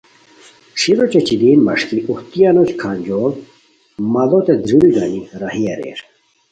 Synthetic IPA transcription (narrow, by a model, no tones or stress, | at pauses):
ʂiɾot͡ɕet͡ɕid̪iːnmɐ̰ʂkiʔuht̪ijɐnot͡ɕkʰanʲd͡ʑol | mɐd̪ot̪ed̪ɾiliɡɐniɾɐɦiɐɾḛːɾ